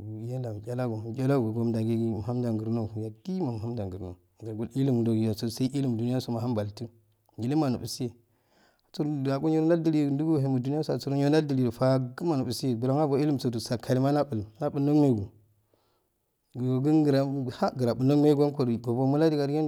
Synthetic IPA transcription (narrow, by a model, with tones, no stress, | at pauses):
je˦la˨m˨kʲa˦la˦ɡo˨kʲa˦la˦ɡo˨ɡo˦mda˨ɡe˦ɡi˨mu˨ɦa˦m˦da˨ŋɡə˨ɾno˦˨ja˨di˦ma˨mu˨ha˦m˦da˨ŋɡu˨ɾno˨ɡa˨ɡu˦li˦li˦mdo˨ɡja˨so˨sa˦i˦ʔi˦li˦m˨du˨ni˦a˦so˨ma˨ha˦mba˨ltu˦ | ɡi˨li˦ma˨nṵ˨bu˨si˦e˨ | a˨t͡su˦ɾa˨ɡo˦ɲi˦ɾda˦di˦li˦˨ndu˦ɡo˦ɦe˨mu˨du˦n˦a˦sa˨t͡su˨ɾu˦jo˦n˦da˦di˨li˨fa˦ɡə˦ma˨nu˨bu˨si˦je˨bla˦ŋa˦bo˨i˦li˦mso˨du˨sa˨kʰa˨li˦ma˦na˦bu˨lna˦ɓu˨no˦me˦ɡu˨ | ɡɡə˦nɡə˨ɾa˨ha˦ɡə˨ɾa˨ɓu˨no˦me˦ɡo˦n˦ko˨ɾɡo˨bo˦mu˦la˦di˦ɡa˨ɾe˦n